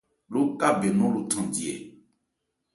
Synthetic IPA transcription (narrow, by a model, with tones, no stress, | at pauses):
lo˦ka˦be˨nɔ̃˦lo˨tʰã˨di˨ɛ˨